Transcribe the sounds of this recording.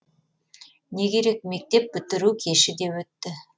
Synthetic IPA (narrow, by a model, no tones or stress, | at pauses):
ne̞ɡʲe̞ɾe̞k̚me̞k̚t̪e̞p̚bʏt̪ɪɾukʲʰeʃɪd̪e̞pwɵt̪ːɪ